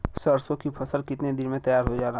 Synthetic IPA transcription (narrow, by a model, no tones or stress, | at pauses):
səɾsõkipʰɐsəlkɪt̪ned̪ɪnmẽt̪ɐjaːɾɦod͡ʒaːɾa